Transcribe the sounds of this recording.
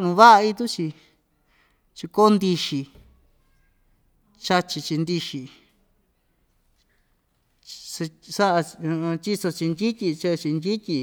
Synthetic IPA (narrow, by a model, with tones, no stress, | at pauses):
nũ˧βa˦ʔa˧i˧t̪u˦t͡ʃi˧ | t͡ʃi˧ko˦nd̪i˧ʃi˧ | t͡ʃa˧t͡ʃi˧t͡ʃi˧nd̪i˧ʃi˨ | e˧sa˦ʔa˧t͡ʃi˦so˧t͡ʃi˧nd͡ʒi˦t̪ʲi˧t͡ʃe˦˧t͡ʃi˧nd̪i˦t̪ʲi˧